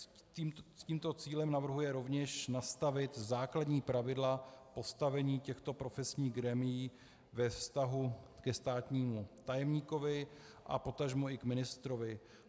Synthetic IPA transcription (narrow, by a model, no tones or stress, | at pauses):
imsciːmt̪o̞t͡siːlɛmnavr̩ɦujɛɾo̞vɲɛʃnast̪avɪt̪zaːkladɲiːpɾavɪdlapo̞st̪avɛɲiːcɛxt̪o̞pɾo̞fɛsɲiːɣɡɾɛmɪjiː | vɛfst̪aɦukɛst̪aːt̪ɲiːmut̪ajɛmɲiːko̞vɪ | ʔa̰po̞t̪aʒmuɪkmɪnɪst̪ɾovɪ